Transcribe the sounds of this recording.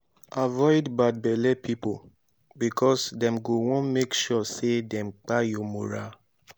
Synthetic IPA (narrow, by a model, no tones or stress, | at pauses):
avɔɪdbad̚bɛlɛpʰipo | bikʰɔsdɛ̃mɡowɔ̃nmekʃɔsedɛ̃mk͡pajɔmoɹa